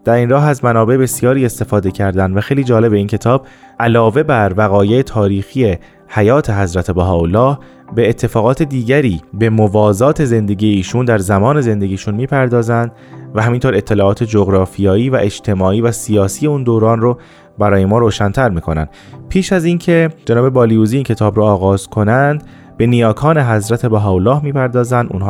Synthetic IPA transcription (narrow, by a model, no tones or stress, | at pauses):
d̪̥æɾinrɒːɦæzmænɒːbe̞ʔebe̞sijɒːɾiːe̞st̪e̞fɒːd̪e̞cʰæɾd̪ænd̪væxejliːd͡ʒɒːle̞be̞iːncʰe̞t̪ʰɒːb̚ | ʔælɒːve̞bæɾvæɣɒːje̞ːt̪ʰɒːɾiːxiːe̞ | hæjɒːt̪ʰe̞ɦæzɾæt̪ʰe̞bæɦɒːolːɒːh | be̞ːt̪ʰːe̞fɒːɣɒːt̪ʰe̞d̪iːɟæɾiːbe̞movɒːzɒːt̪ʰe̞ze̞nd̪e̞ɟije̞iːʃund̪æɾzæmɒːne̞ze̞nd̪e̞ɟiːʃunmiːpʰæɾd̪ɒːzænd̪ | væɦæmint̪ʰoːɾe̞t̪ʰːe̞lɒːʔɒːt̪ʰe̞d͡ʒoɣɾɒːfijɒːiːvæʔe̞d͡ʒt̪ʰe̞mɒːʔiːvæsijɒːsiːje̞uːnd̪oːɾɒːnro | bæɾɒːje̞mɒːɾoːʃænt̪ʰæɾmiːkʰo̞næ̰nd̪̥ | pʰiːʃæziːncʰe̞d͡ʒenɒːbe̞bɒːlijuːziiːncʰe̞t̪ʰɒːbɾoːɣɒːz̥kʰo̞nænd̪ | be̞nijɒːkʰɒːne̞ɦæzɾæt̪ʰe̞bæɦɒːolɒːhmiːpʰæɾd̪ɒːzænd̪ṵːnh